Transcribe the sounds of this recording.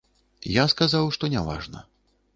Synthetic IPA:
jaskazawʂt̪ɔnʲava̰ʐnɐ̰

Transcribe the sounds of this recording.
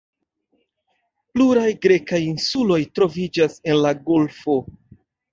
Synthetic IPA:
pluɾajɡɾe̞kajinsulo̞jtɾo̞vid͡ʒase̞nlaɡo̞lfo̞

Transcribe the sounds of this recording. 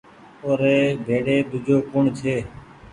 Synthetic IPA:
oːɾeːbʱeːɽeːd̪ʊd͡ʒʱoːkʊɳt͡ʃʰeː

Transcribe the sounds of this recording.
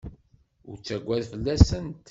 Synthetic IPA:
ʊ̰ɾt͡sːæɡʷːæðfəlːæsənt̪

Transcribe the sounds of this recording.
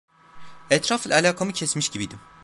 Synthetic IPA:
ɛt̪ɾafɯlˠalʲaːkʰamɯcʰɛsmiʃɟibid̪im

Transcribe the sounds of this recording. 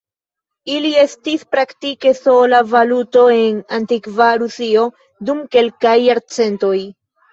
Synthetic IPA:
ilie̞stispɾaktike̞so̞lavaluto̞e̞nantikvaɾusio̞ | dumke̞lkajːaɾt͡se̞nto̞j

